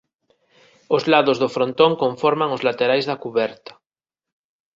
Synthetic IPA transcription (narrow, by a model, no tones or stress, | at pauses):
ozlaðozðofɾont̪oŋkõɱfoɾmaŋozlat̪eɾajzðakuβɛɾt̪ḁ